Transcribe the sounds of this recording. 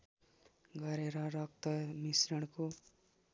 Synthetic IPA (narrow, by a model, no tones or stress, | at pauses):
ɡʌɾeɾʌɾʌk̚t̪ʌmisɾʌɽ̃ko